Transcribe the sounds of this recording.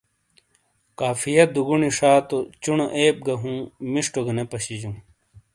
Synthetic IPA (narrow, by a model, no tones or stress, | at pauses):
kaːfijɐt̪̚d̪uɡuɳiʂaːt̪ot͡ɕunoʔeːp̚ɡɐɦũːmiʂʈoɡɐnepɐɕid͡ʑũː